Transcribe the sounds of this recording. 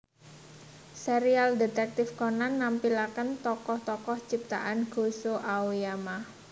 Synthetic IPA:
seɾialdet̪ɛk̚t̪ɪfkɔnanːampilakənt̪ɔkɔht̪ɔkɔht͡ʃip̚t̪a̰ʔanɡ̥o̤soʔawujama

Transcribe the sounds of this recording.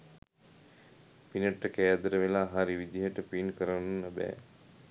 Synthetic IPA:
pinəʈːəkæːd̪əɾəʋelaɦaɾiʋid̪iɦəʈəpinkəɾənnːəbɛ̰ː

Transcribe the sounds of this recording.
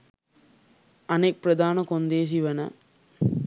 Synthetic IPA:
ɐneːk̚pɾɐd̪ʱaːnɐkond̪eːs̬iʋɐnɐ̰

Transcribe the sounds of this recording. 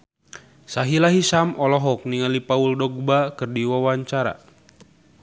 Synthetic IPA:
saɦilaɦisamɔlɔɦɔk̚niŋalipauldɔɡ̚bakɨrdiwawaɲt͡ʃaɾa̰

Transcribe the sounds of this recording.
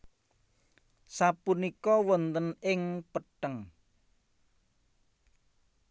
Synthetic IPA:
sapunikɔwɔnt̪ənɪŋpəʈəŋ

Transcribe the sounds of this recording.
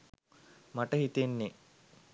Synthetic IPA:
maʈəɦit̪enːe

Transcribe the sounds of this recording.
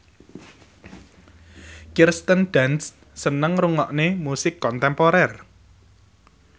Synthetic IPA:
kirst̪ənɖ̥ans | sənəŋruŋɔʔnemusɪkːɔnt̪ɛmpɔɾɛr

